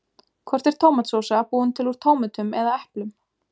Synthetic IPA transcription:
kʰvɔr̥t̪ɛɾ̥t̪ʰoːwmat̪soːwsapuːʏnt̪ʰɪluɾ̥t̪ʰoːwmʏt̪ʏmɛðaɛhplʏm

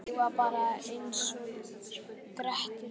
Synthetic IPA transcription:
ɛvapaːɾaejnsɔ | kɾɛht̪ɪ

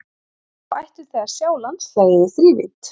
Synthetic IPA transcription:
vajht̪ʏɾ̥θɛɣaɾ̥sjaːwlanslaɣðɪðɪθɾiːvɪ̰t̪

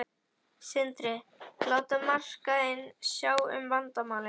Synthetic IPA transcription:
sɪnt̪ɾɪlaːwt̪amar̥kaɪnːsjaːwʏ̰mvant̪amaːwlɪ

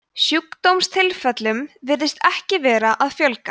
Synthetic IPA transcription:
sjukt̪owmst̪ʰɪlfɛt̪lʏmvɪɾðɪst̪ɛhcɪvɛːɾaʔaðfjœlkḁ

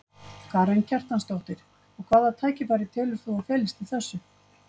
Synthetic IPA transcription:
kʰarejncʰɛr̥t̪anst̪owht̪ɪɾ̥ | ɔɣkʰv̥aːðat̪ʰaːjcɪpaːɾɪt̪ʰɛːlʏɾ̥θuafɛːlɪst̪ɪlθɛsːʏ

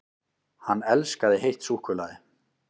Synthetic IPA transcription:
hanːɛlskaðɪɦejht̪suːhkvʏlaðɪ

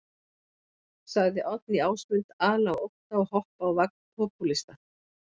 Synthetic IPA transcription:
saɣðɪʔɔt̪̚niaːwsmʏnt̪aːlawowhnaɔhɔhpawvak̚n̥pʰɔpulist̪a

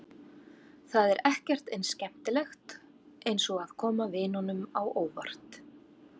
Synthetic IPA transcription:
θaðɛɾɛhcɛr̥t̪ejnscɛm̥t̪ɪlɛxt̪ | ejnsɔɣaðkʰɔːmavɪnɔnʏmawʔoːwva̰r̥t̪

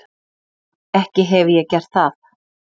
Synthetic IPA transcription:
ɛhcɪɦɛvɪjɛɣcɛr̥t̪θaθ

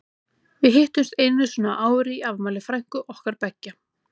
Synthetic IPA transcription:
vɪðɦɪht̪ʏmst̪ejnnɪsɔnaʔaːwʏɾiiavmaːlɪfɾajŋ̥kʏʔɔhkaɾpɛcːa

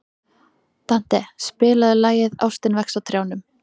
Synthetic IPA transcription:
t̪an̥t̪ɛspɪːlaðɪlaːjɪða̰wst̪ɪnvɛksawt̪ʰɾjawnʏm

